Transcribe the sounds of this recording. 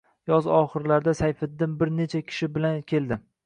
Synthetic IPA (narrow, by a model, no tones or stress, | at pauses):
jɒzɒχɨɾlaɾd̪asajfɪd̪ːɪmbɪɾne̞t͡ʃʰakʲʰɪ̥ʃɪbɪlankʲʰe̞lˠd̪ɪm